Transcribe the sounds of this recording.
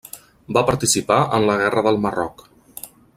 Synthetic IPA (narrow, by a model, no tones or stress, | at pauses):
bapəɾt̪isipaənləɣɛrəðəlˠmərɔ̰k